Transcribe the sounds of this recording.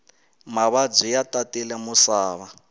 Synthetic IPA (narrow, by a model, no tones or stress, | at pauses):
maβad͡zʷijatatɛlɛmusaːβa